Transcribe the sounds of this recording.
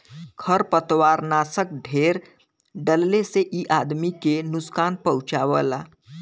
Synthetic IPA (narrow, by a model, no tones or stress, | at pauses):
kʰəɾpət̪ʋaɾnasək̚ɖʱeɾ | ɖəlːeseʔiʔad̪mikenuskanpəwut͡ʃaʋəla